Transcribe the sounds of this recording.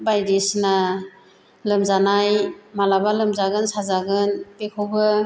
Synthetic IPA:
bajɾisna | lɯmzanajmalabalɯmzaɡɯnsazaɡɯnpekʰɯwbɯ

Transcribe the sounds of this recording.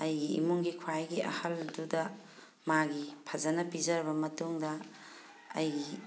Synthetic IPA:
ɐjɡiḭmuŋɡikʰwajɡiʔɐ̰hɐldudɐ | maɡipʰɐzɐnɐpizɐɾbɐmɐtuŋdɐ | ɐjɡi

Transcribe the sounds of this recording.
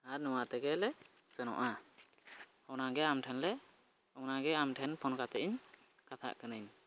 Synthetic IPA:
aɾnɔwat̪ɛɡɛlɛ | sɛnɔ̰ʔa | ɔnaɡɛamʈʰɛnlɛ | ɔnaɡɛamʈʰɛnpʰɔnkat̪ɛʔiɲ | kat̪ʰa̰ʔkənɯɲ

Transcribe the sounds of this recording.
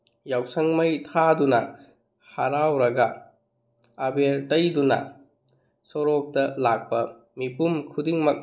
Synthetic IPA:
jawsɐŋmɐjtʰadunɐ | haɾawɾɐɡɐ | abeɾtɐjdunɐ̰ | sɔɾok̚tɐlak̚pɐ | mipumkʰudiŋmɐk̚

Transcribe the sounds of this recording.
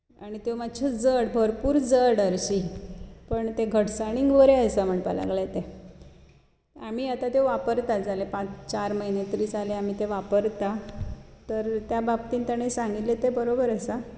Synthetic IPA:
aɽ̃it̪omat͡ɕʰed͡zəɽbʱəɾpuːɾd͡zəɽəɾɕipəɳt̪eɡʱəʈsaɽ̃iŋɡʋəɾeəjsam̤əɳpa̰la̰ɡɭet̪e | am̤iat̪at̪eʋapəɾt̪ad͡zʱalepãt͡st͡ɕaɾməɦinet̪ɾiːt͡saleam̤it̪eʋapəɾt̪at̪əɾt̪jababt̪iːnt̪aɽ̃esãŋɡit̪let̪ebəɾobəɾəsa

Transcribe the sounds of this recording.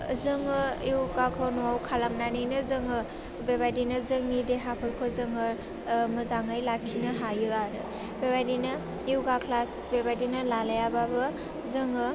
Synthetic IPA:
zɯŋɯiwkakʰɔnɔawkʰalamnanijnɯzɯŋɯ | bebadinɯzɯŋnideɦapʰɯɾkʰozɯŋɯ | mɐzaŋajlakʰːinɯɦajɯaɾɯ | bebajdinɐ | iwɡakʰlas | bebadinɯlalajababɯ | zɯŋɯ

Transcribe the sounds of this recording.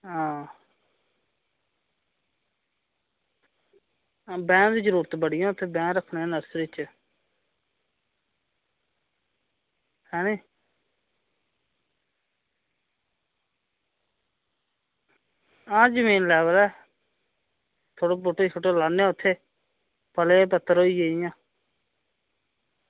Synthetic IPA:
ɦãː | bɛ̃ːd̪iːzəɾuːɾət̪bəɽɪjãːʊt̪ʰːeːbɛ̃ːɾəkʰneaːnəɾsɾɪt͡ʃ | hɛːnĩː | ãːd͡ʒəmiːnlɛːbəɾɛː | t̪ʰoːɽoːbʊʈeːt͡ʃʰoʈeːlaːneaːʊt̪ʰːeː | pəleːpət̪ːəɾɦoːiːd͡ʒeːijãː

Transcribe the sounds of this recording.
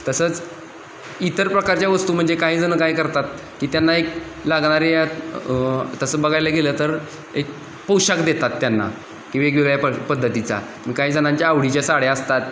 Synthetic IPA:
t̪əsəːt͡s | it̪əɾpɾəkaɾt͡ɕjaʋəst̪uːm̤əɳd͡zekaɦiːd͡zənəkajkəɾt̪at̪ | kiːt̪janːaek̚ | laɡɽ̃aɾejat̪ | t̪əsəbəɡʱajləɡʱeləːt̪əɾ | ek̚ | powɕakd̪et̪at̪ːjanːa̰ | kĩʋeɡʋiɡɭjapəpəd̪ːət̪it͡sa̰ | miːkaɦiːd͡zəñaɲt͡ɕjaːʋɽit͡ɕjasaɽeəst̪at̪

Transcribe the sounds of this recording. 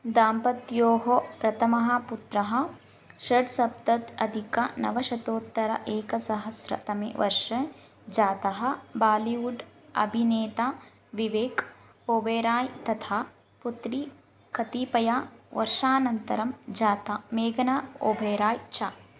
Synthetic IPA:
d̪aːmpɐt̪joːɦopɾɐt̪ʰɐmɐɦɐ̆put̪ɾɐɦɐ̆ | ʃɐɖsɐb̚t̪ɐt̪ɐd̪ʱikɐnɐ̰ʋɐʃɐt̪oːt̪ːɐɾɐ̰ʔeːkɐsɐɦɐsɾɐ̰t̪ɐmḛːʋɐ̰ɾʂɐ | d͡ʒaːt̪ɐɦɐ̆baːliʋuɖɐ̰bʱineːt̪aː | ʋiʋeːk | oːbʱeːɾaːjt̪ɐt̪ʰaː | put̪ɾi | kʰɐt̪iːpɐjaːʋɐ̰ɾʂaːnɐnt̪ɐɾɐmd͡ʒaːt̪ameːɡɐnaːoːbʱeːɾaːjt͡ʃaː

